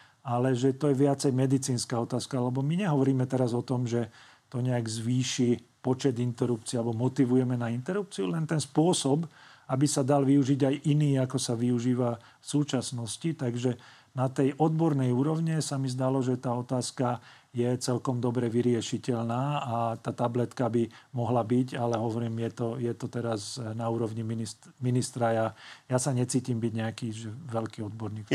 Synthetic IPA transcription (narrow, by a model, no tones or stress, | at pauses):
alɛʒɛt̪ɔjɛʋɪat͡sɛjmɛd̪it͡siːnskaːɔt̪aːskaalɛbɔmiɲɛɦɔʋɔɾiːmɛt̪ɛɾazɔt̪ɔmʒɛ | t̪ɔɲɛaɡzʋiːʃi | pɔt͡ʃɛd̪int̪ɛɾupt͡sialɛbɔmɔt̪iʋujɛmɛnaint̪ɛɾup̚t͡siulɛnt̪ɛnspʊɔsɔb | abisad̪alʋiuʒiɟajʔiniːakɔsaʋiuʒiːʋa | fsuːt͡ʃasnɔscit̪aɡʒɛ | nat̪ɛjʔɔd̪̚bɔɾnɛjuːɾɔʊɲɛsamizd̪alɔʒɛt̪aːɔt̪aːska | jɛt͡sɛlkɔmd̪ɔbɾɛʋiɾɪɛʃicɛʎnaːat̪aːt̪ablɛt̪kabimɔɦlabiɟalɛɦɔʋɔɾiːmjɛt̪ɔjɛt̪ɔt̪ɛɾaznauːɾɔʋɲiminiminist̪ɾajajasaɲɛt͡siːcimbiɟɲɛakiːʒɛʋɛʎkiːɔd̪bɔɾniːk